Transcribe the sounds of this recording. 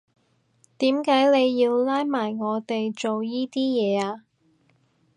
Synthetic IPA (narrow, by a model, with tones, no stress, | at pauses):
t̪iː˨˥mkaː˨˥jne˨˧jːiː˧wlaː˥jmaː˨˩jŋɔː˨˧t̪e˨jt͡ʃo˨wjiː˥t̪iː˥jɛː˨˧aː˧